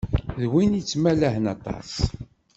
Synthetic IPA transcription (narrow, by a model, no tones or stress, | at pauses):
ðwinit͡sːmælæhənɑt̪ˤɑ̰s